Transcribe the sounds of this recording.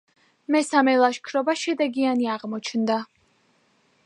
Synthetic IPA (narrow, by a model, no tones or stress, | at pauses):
mɛsamɛlˠaʃkʰɾɔbaʃɛd̪ɛɡianiaʁmɔt͡ʃʰnd̪a